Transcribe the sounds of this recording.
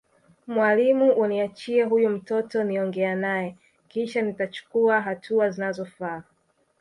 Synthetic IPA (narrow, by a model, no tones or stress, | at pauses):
mwalimuʔuniat͡ʃiɛɦujum̩tɔtɔniɔŋɡɛanajɛ | kiʃanitat͡ʃu̥kuaɦatʰuazinazɔfa